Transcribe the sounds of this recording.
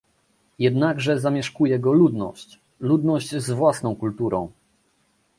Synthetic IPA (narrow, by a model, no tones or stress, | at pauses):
jɛd̪naɡʐɛzamʲjɛʂkujɛɡɔlud̪nɔ̰ɕt͡ɕ | lud̪nɔɕt͡ɕzvwasnɔ̃w̃kult̪uɾɔ̰̃w̃